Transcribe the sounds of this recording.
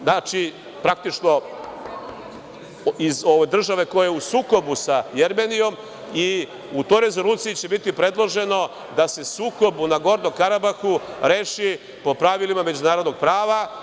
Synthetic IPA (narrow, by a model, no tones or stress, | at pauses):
nat͡ʃi | pɾak̚t̪it͡ʂno̞ | izo̞ʋejd̪r̩ʒaʋe̞ko̞jajeusuːko̞busajeɾmenijo̞m | i | ut̪ojɾe̞zolut̪sijit͡ɕe̞bit̪ipɾe̞d̪lˠo̞ʒe̞no̞ | d̪ase̞suːko̞bunaɡo̞ɾno̞mkaɾabaxuɾeːʃi | po̞pɾaʋilimame̞d͡ʑunaːɾod̪noɡ̚pɾaːʋa